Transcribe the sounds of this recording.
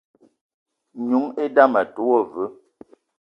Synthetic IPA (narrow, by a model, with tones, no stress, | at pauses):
ɲu˨˦ŋe˦da˦mə˨tu˦o˦˨və˦